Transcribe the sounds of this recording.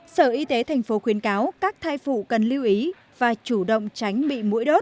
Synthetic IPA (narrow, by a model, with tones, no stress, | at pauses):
səː˧˩ʔi˧t̪e˨˦t̪ʰa˨˩jŋ̟fo˨˦xwi˨˦ənkaː˨˦wkaː˦˥k̚t̪ʰaː˧jfṵ˧˨kə˨˩nli˧əwʔi˨˦ | vaː˨˩t͡ɕu˧˩ɗə̰˧˨wŋ͡mt͡ɕa˨˦jŋ̟ɓḭ˧˨mṵ˧˥jɗo˦˥t̚